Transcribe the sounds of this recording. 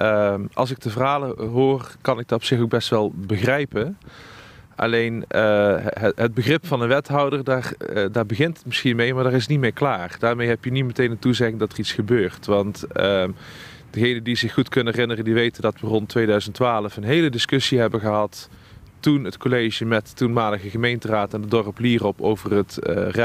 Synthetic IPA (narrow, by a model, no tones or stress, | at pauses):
ʔəmʔɑ̰lˠsɪk̚təvərɦaːləɦʊːrkɑnɪk̚dɑɔpsɪxoɡ̚bɛstʋɛlˠbəɣrɛjpə | ʔɑ̰lejnəɦɦəd̚bəɣrɪpfɑnənʋɛtɦɑwdərdaːrdaːɹbəɣɪntətmɪsxinmejmaːɹdaːɹrɪsnitmɪːɹklaːrd̥aːɹmejɦɛpjənitmətejnətuzɛɣɪŋdɑtəritsxəbøːrtʋɑntə | dəɣejnəndizɪxːutkɵnənɛrɪnərəndiʋejtəndɑtʋərɔntʰːʋejdœɥzəntʋaːləfənɦejlədɪskɵsiɦɛbəɣəɦɑt | tunɦətkolejʒəmɛttunmaːləɣəɣəmejntəraːtɛndədɔrəpliːrɔpo̰wvərətərɛ